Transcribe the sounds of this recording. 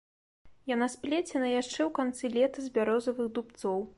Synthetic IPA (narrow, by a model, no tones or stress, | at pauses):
janaspʲlʲɛt͡sʲɛnɐjaʂt͡ʂɛwkant̪sɨlʲɛt̪ɐzʲbʲaɾɔzɐvɨɣd̪upt̪sɔw